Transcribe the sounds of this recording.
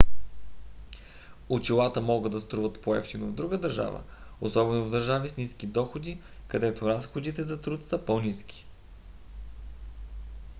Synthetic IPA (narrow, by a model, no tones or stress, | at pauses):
ot͡ʃilˠat̪əmɔɡɤd̪ɐst̪ɾuvət̪poɛft̪inovd̪ɾuɡəd̪əɾʒa̰və̰ | osɔbɛnovd̪əɾʒavisnisk̟id̪ɔxod̪i | kɐd̪ɛt̪oɾasxod̪it̪ɛzɐt̪ɾut̪səpɔniskʲi̥